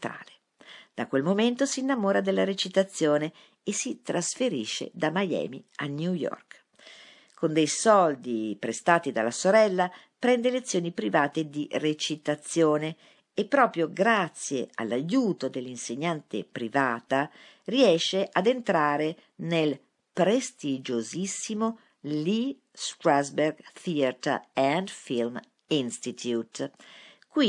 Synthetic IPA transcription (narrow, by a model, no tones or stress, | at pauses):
t̪ɾa̰ːle | d̪̥akwelmoment̪osiːnːamoːɾad̪elːaɾet͡ʃit̪at̪sːjoːne | esit̪ɾasfeɾiʃːḛd̪amajɛ̰ːmḭanjujɔ̰rk | kond̪ejsɔld̪ipɾest̪aːt̪id̪a̰lːasoɾɛlːa | pɾɛnd̪elet̪sːjoːnipɾivaːt̪ed̪iret͡ʃit̪at̪sːjoːne | epːɾɔːpɾjoɡɾat̪sːjea̰lːajuːt̪od̪elːinseɲːant̪ḛpɾivaːt̪a | riɛʃːeʔad̪ent̪ɾaːɾe | nel | pɾest̪id͡ʒozisːimo | li | st̪ɾazberɡθiat̪a̰ɛnd̪film | inst̪it̪ʰjut̪ | kwi